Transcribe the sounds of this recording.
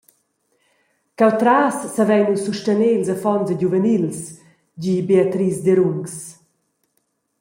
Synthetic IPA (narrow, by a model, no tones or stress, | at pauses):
kawt̪ɾaːsːavɛjnusuʃtəneːlsafɔnzɛɟuvənils | d͡ʑibeat̪ɾiːsd̪eɾuŋks